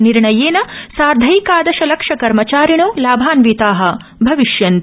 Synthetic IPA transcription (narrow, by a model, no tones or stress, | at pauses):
niɾɳɐjeːnɐsaːɾd̪ʱɐjkaːd̪ɐʃɐlɐkʂɐkɐɾmɐt͡ʃaːɾiɳ̃oːlaːbʱaːnʋiːt̪aːɦɐ̆ | bʱɐʋiʃjɐnt̪